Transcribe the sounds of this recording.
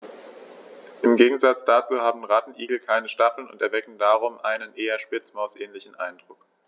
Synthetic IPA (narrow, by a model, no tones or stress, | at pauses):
ʔɪmɡeːɡŋ̩zat͡sd̥at͡suːhaːbm̩ʁatn̩ʔiːɡl̩kʰaɪnəʃtafl̩nʊ̰ntɛɐvɛkn̩daːʁ̞ʊmʔaɪnənʔeːɐʃpɪt͡smaʊsʔɛːnlɪçn̩ʔaɪndʁʊk